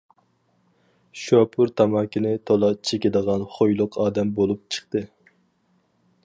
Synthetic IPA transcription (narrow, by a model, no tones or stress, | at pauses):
ʃɑpʰuɾt̪ʰɑmɑːkʲinɪt̪ʰolˠɑt͡ʃʰekʲid̪əʁɑnχojlˠʊqʰɑːd̪ɛmbolˠup̚t͡ʃʰə̥χt̪ɨ